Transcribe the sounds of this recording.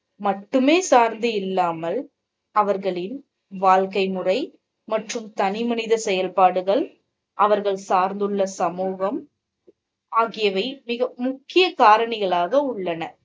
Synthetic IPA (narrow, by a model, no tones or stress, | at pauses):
mɐʈːɯmeːsaːɾnd̪ɯɪlːaːmɐl | ɐʋɐɾɣɐɭɪn | ʋaːlkɐɪmɯrɐɪ | mɐʈrɯmt̪ɐnɪmɐnɪðɐsɛjɐlpaːɽɯɣɐɭ | ʔɐʋɐɾɣɐɭsaːɾnd̪ɯɭːɐsɐmuːɣɐm | aːɣɪjɐʋɐɪmɪɣɐmʊkːɪjɐkaːɾɐɳɪɣɐɭaːɣɐʊɭːɐnɐ